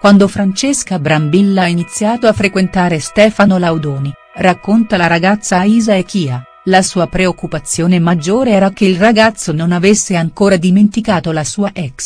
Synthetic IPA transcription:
kwand̪ofɾant͡ʃeskabɾambilːainit̪sːjaːt̪oafːɾekwent̪aːɾest̪ɛːfanolawd̪ɔːni | rakːont̪alaɾaɡat̪sːaiːzaekiːa | lasuːapɾeokːupat̪sːjoːnemad͡ʒːoːɾeɛːɾak̟eilraɡat̪sːononavesːeaŋkoːɾad̪iment̪ikaːt̪olasuːaʔɛks

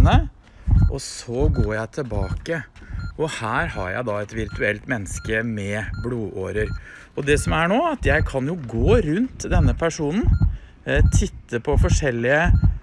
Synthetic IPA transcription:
nə | ʔɔsɔɡoːɾjæɪt̪ʰəlbɑːkəʔɔhæːɾhɑ̰ɾjæ̰ɪd̪ɑɛt̪ʋɪɾt̪ʉɛlt̪mɛnːəskəmɛbluːʔo̰ːɾəɾ | ɔd̪ɛsɔmæɳoːɑt̪jæɪkʰɑnjʊɡoːɾʉnt̪d̪ɛnːəpʰæʂuːnn̩ | t̪ʰɪt̪ːəpʰɔfɔʂɛlːɪə

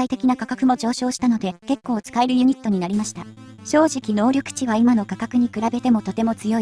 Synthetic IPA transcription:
ait̪e̞kʲinakakakɯ̟mo̞d͡ʑo̞ːɕo̞ːɕi̥t̪ano̞d̪e̞ke̞kːo̞ːt͡sɨ̥kaeɾɯ̟jɯ̟ɲ̟it̪ːo̞ɲ̟inaɾʲimaɕi̥t̪aɕo̞ːʑikʲino̞ːɾʲo̞kɯ̟̥t͡ɕiβ̞aimano̞kakakɯ̟ɲ̟ikɯ̟ɾabe̞t̪e̞mo̞t̪o̞t̪e̞mo̞t͡sɨjo̞i

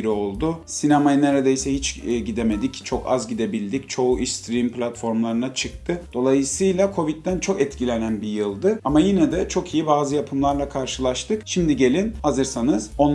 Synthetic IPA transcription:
ɾio̞lˠd̪ʊsinamajɯneɾed̪ejisɛhit͡ʃɟid̪eme̞d̪ict͡ʃʰo̞ka̰zɟid̪e̞bilʲd̪ict͡ʃʰo̞uʔiʃt̪ʰɾimpʰlʲat̪fo̞ɾmlˠaɾɯnat͡ʃʰɯk̚t̪ʰɯd̪̥o̞lˠajɯsɯjlˠakʰo̞vit̪ːænt͡ʃʰo̞kɛt̪cʰilʲe̞nænbijɯlˠd̪ɯamajinɛd̪ɛt͡ʃʰo̞kʰijibaːzɯjapʰɯmlˠaɾlˠakʰaɾʃɯlˠaʃt̪ɯkʃimd̪iɟe̞lʲinhazɯɾsanɯz̥o̞n

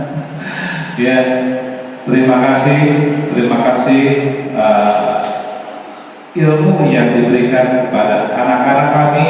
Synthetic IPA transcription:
ja | t̪əɾimakasɪht̪əɾimakasɪhə | ilmujaŋdibəɾikankəpadaa̰nakanakːami

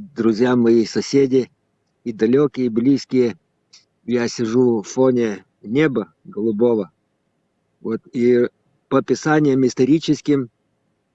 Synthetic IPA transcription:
d̪ɾʊzʲjamɐjisɐsʲedʲɪ | id̪ɐlʲokʲɪjəblʲiskʲɪjə | jasʲɪʐufonʲɪ | nʲebə | ɡəlˠʊbovə | vot̪i | pəpʲɪsanʲɪjəmɪst̪ɐɾʲit͡ɕɪskʲɪm

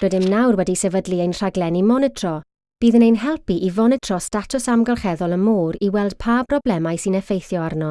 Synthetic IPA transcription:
r̥ədɪmnawrwɛdisɛvədliejnr̥aɡlɛnimɔnɛtʰr̥ɔ | b̥iːðənejnɦɛlˠpiʔivɔnɛtʰrɔstatʰʊsamɡalˠχɛðɔlˠəmuːɾiwɛlˠd̥pʰaːbʰrɔblɛmajsɨnɛfejθjɔarnɔ

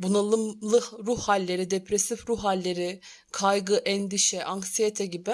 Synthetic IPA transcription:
bunalˠɯmlˠɯɾuhhalʲːeɾid̪epʰɾesifɾuɦalʲːeɾɪ | kʰajɡɯʔɛnd̪iʃɛʔaŋksijet̪ʰɛɟibɪ

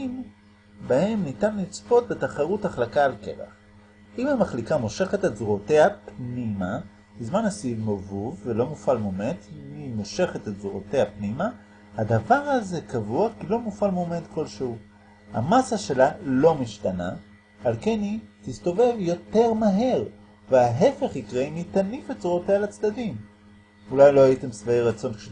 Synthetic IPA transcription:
m | bahe̞mnitanlit͡spo̞t̪̚be̞taχaʁuthaχlakaːlkḛʁa̰χ | ʔimamaχlikamo̞ʃe̞χetetzuʁote̞hapnima | bizmanhasivmovuvːelo̞mufalmometmimo̞ʃe̞χetetzuʁote̞hapnima | had̪avaʁaze̞kavuakilo̞mufalmometko̞lʃeu | ha̰masaʃe̞lalo̞miʃtana̰ | alke̞nitist̪o̞ve̞vjo̞te̞ʁmaɦe̞ʁ | veaɦe̞fe̞χikʁemit̪anifetzuʁotealat͡sdadim | ulajlo̞hajitemsvaejʁat͡so̞nkʃe

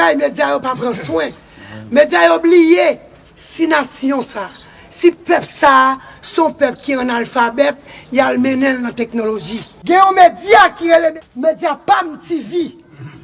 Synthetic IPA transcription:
ajmed͡zjajopapʁɑ̃swɛ̃ | med͡zjajoblije | sinasjɔ̃sa | sipœpsasɔ̃pɛpkiɑ̃nalfabɛt̪̚jalmɛ̃nɛ̃lnãt̪ɛknoloʒiɡɛ̃jɔ̃med͡zjakiʁelemmed͡zjapam̩tivi

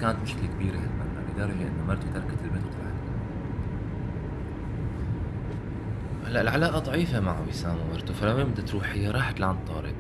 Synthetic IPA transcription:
kaːnat̪mɪʃɪ̥klikbiːɾahat̪manːa̰bɪd̪ɑɾˤːɑd͡ʒaʔɪ̰nːumɑɾˤt̪ut̪ɑɾˤɑkat̪ɪlmɪt̪t̪ˤɑlʕalt̪a | laʔɪlʕalaːʔaðˤɑʕiːfamaʕawisaːmamɑɾˤt̪ufalamːaɪb̚d̪at̪ɾuːħɪjːaɾˤɑːħt̪laʕant̪ˤːɑ̰ːɾˤɪ̰

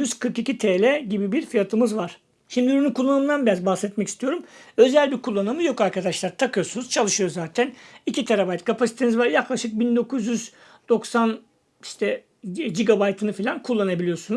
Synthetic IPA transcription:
jyz̥kʰɯɾkicit̪ʰelʲɛɟibibiɾfijat̪ʰɯmɯzvaɾ̥ | ʃimd̪iyɾynykʰulˠːanɯmd̪anbijazbahsɛt̪mɛcist̪ʰijo̞ɾumø̞zælʲbiɾkʰulˠːanɯmɯjo̞kaɾkʰad̪aʃlˠaɾt̪ʰakɯjo̞ɾsunuz̥t͡ʃʰalˠɯʃɯjo̞zaːt̪ʰænicit̪ʰeɾabajt̪kʰapasit̪ʰenizvaɾjaklˠaʃɯk̚bind̪o̞kuzjyz | d̪̥o̞ksan | iʃt̪ʰɛ | d͡ʒiɡabajt̪ʰɯnɯfilʲankʰulˠːanabilʲijo̞ɾsunuz

